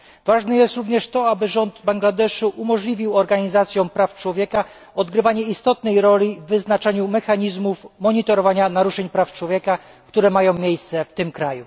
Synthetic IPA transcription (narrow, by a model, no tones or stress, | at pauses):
vaʐnɛjɛst̪ɾuvɲɛʂt̪ɔabɘʐɔnd̪baŋɡlad̪ɛʂuʔumɔʐlʲivʲiwɔɾɡaɲizat̪sʲjɔ̃w̃pɾaft͡ʂwɔvʲjɛka | ɔd̪ɡɾɘvaɲɛist̪ɔt̪̚nɛjɾɔlʲivːɘznat͡ʂɛɲumɛxaɲizmufmɔɲit̪ɔɾɔvaɲanaɾuʂɛɲpɾaft͡ʂwɔvʲjɛka | kt̪uɾɛmajɔ̃w̃mʲjejst̪sɛft̪ɘmkɾaju